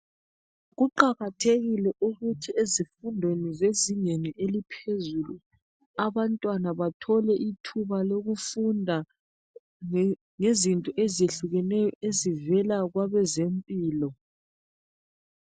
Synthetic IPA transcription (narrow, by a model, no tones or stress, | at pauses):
ɣuǃaɣatʰeɣilɛʔuɣutʰiezifundʱwenizeziɲeniʔelipʰezulu | aβantʼwanaβatʰɔlɛʔitʰuβaloɣufundʱa | ŋezintʼɔʔezeɬuɣɛnɛjɔezivɛlaɣwaβɛzempʼiːlɔ